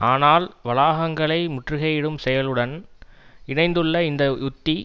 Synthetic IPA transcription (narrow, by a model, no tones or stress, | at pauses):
aːnaːlʋɐlaːɣɐŋɡɐɭɐɪmʊʈrɯɣɐjɪɽɯmsɛjɐlɯɽɐn | ɪɳɐɪnd̪ɯɭːɐɪnd̪ɐʊt̪ːi